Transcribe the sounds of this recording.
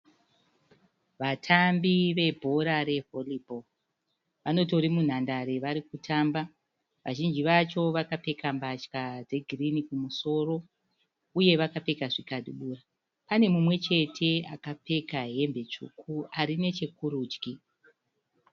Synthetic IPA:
ʋatʰambiʋe̞bʱo̞ɾaɾe̞ɦo̞libʱo | ʋano̞to̞ɾimun̤andaɾe̞ʋaɾikutʰamba | ʋaʒind͡ʒiʋat͡ʃo̞ʋakape̞kʰambat͡ʃkad͡ze̞ɡʱirinikumuso̞ro̞ | uje̞ʋakape̞kaʐikaɗuɓuːra | pane̞mumwe̞t͡ʃe̞tʰe̞a̰kape̞kaɦe̞mbe̞t͡ʂṵkʰuaɾine̞t͡ʃe̞kuɾuːd͡ʒki

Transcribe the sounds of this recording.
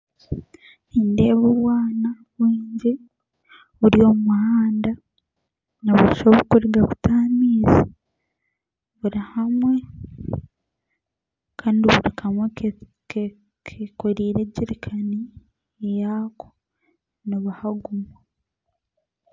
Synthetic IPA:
niːndeːβuβwaːna | wiːɲɟi | βuɾio̞umuhaːnda | noβuiʃoβukuɾiɡaku̥tʰaːmiːzi | βuɾihamwe̞ | kʰaːndiβuɾikʰamwe | ke | kʰekoɾiːɾe̞ɟiɾikʰani | ejaːko̥ | niβahaɡuma

